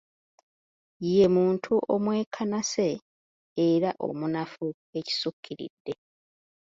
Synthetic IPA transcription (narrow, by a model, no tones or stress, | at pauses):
je̞muːntʰuʔomwe̞ːkʰanase̞ː | ɾaʔo̞̰munafu | e̞ci̥sukʰːiɾḭdːe̞